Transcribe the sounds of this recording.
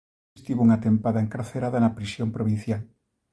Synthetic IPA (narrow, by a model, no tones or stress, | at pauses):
st̪iβuŋat̪empaðaɐeŋkaɾθeɾaðɐnɐpɾisjompɾoβin̟θjal